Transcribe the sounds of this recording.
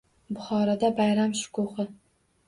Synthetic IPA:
bʊχɒɾad̪abajɾamʃʊ̥kʰoχɪ

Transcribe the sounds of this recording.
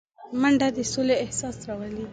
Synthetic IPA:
maɳɖad̪əsoleːhsɑsɾawəli

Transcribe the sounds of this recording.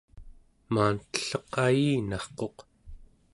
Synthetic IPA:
maːnt̪ə̥ɬʌqajiːnɑχqo̞q

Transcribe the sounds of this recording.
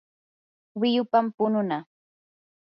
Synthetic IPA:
wɪjʊpampʊnʊna

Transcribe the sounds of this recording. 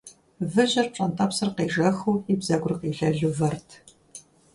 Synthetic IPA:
vɨʑɐrpt͡ʃʼɐntʼɐpsɨrqeːʐɐxuːibzɐɡʷʼrɨqiːɮɐɮuvɐrtʰ

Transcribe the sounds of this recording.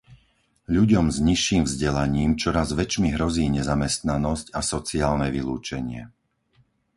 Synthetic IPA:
ʎuɟɔmzɲiʃːiːmvzɟɛlaɲiːmt͡ʃɔɾazʋɛt͡ʃmiɦɾɔziːɲɛzamɛst̪nanɔscasɔt͡siaːlnɛʋiluːt͡ʃɛɲɪɛ̰

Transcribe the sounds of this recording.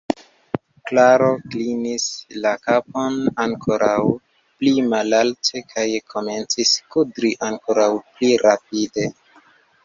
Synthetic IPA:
klaɾo̞klinislakaponaŋkʰoɾʔaw | plimalaltʰe̞kʰajkʰo̞me̞nt͡siskudɾiʔaŋkoɾawpliɾap̚ide̞

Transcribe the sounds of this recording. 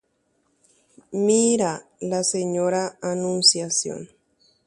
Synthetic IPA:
miɾalaseɲoɾaːnunsjasjo̰n

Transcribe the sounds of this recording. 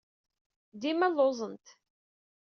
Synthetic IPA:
d̪imælˤːozˤənt̪

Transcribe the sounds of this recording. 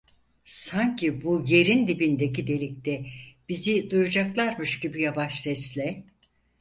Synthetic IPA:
saɲcʰibuje̞ɾind̪ibind̪e̞cid̪e̞lʲic̚t̪ɛb̥izid̪ujud͡ʒaklˠaɾmɯʃɟibijavaʃsɛslʲɛ

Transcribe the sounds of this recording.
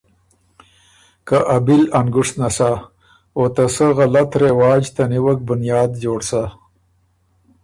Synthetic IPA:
kaʔabilanɡʊʂnasa | ot̪asəɣalat̪ɾewɑːd͡ʒt̪aniwək̚bʊnjɑːd̪d͡ʒoːɽsa

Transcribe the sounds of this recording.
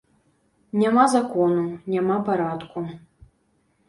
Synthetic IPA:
nʲamazakɔnunʲamapaɾat̪ku

